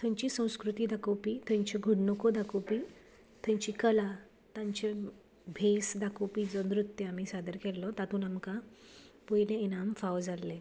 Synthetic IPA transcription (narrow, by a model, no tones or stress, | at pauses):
t̪ʰə̃ɲt͡ɕiːsə̃w̃skɾut̪iːd̪akowpiːt̪ʰə̃ɲt͡ɕeɡʱuɽɳokʰod̪akowpi | t̪ʰãɲt͡ɕikəla | t̪ãɲt͡ɕe | bʱesd̪akopiːd͡zɔnɾut̪ːeamiːsad̪əɾkɛlːɔt̪at̪ʰuːnamkapojleenamfawd͡zalːe